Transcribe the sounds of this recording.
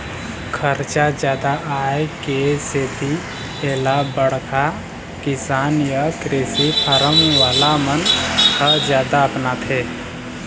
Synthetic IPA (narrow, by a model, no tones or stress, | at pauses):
kʰəɾt͡ʃad͡ʒjaːd̪aʔaekeseːt̪i | eːlabəɽ̤kʰa | kɪsaːnjakɾeːsipʰəɾəmʋaːlamənkəd͡ʒjaːd̪aəpnat̪ʰeː